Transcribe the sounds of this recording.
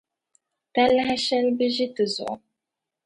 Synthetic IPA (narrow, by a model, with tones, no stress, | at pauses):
ta˦lːa˦ɦa˦ʃa˦lbɨ˦ʒi˦tɨ˨zʊ̰˨ʔʊ˦